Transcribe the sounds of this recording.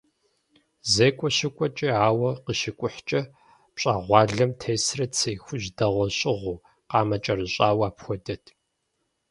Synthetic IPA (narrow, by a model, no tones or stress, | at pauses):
zeːkʷʼɔɕɪkʷʼɔt͡ʃʼiaːwɐqəʃɪkʷʼʊħt͡ʃʼɐ | pɕʼaːʁʷɑːɮɐmtʰeːsrɐt͡sʰejxʷʊʑdɐʁʷɔɕʼɪʁʷuː | qɑːmɐt͡ʃʼɐrɨɕʼaːwaːpxʷɔdɐtʰ